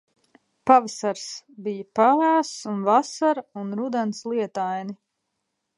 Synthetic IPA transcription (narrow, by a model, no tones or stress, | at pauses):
pavasaɾsbijəpavaːsunvasaɾunɾud̪ɛnslˠiɛt̪ajni